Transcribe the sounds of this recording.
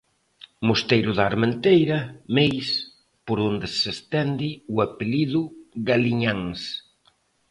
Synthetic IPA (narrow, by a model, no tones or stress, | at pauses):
most̪ejɾʊðaːɾment̪ejɾɐmejs | poɾond̪ɪsest̪ɛnd̪ɪuapeliðʊɣaliɲaŋs